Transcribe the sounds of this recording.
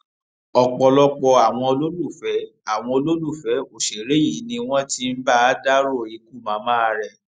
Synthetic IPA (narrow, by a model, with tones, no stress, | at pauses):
ɔ˧k͡pɔ˧lɔ˦k͡pɔ˧a˨w̃ɔ̃˧lo˦lu˦˨fɛ˨˦a˨w̃ɔ̃˧o˧lo˦lu˦˨fɛ˨˦o˨ʃe˨ɾe˨˦i˨˦nĩ˧w̃ɔ̃˦ti˧m̩˦ba˦a˦da˦ɾo˦˨i˧ku˦˨mã˨˦mã˦˧ɾɛ˦˨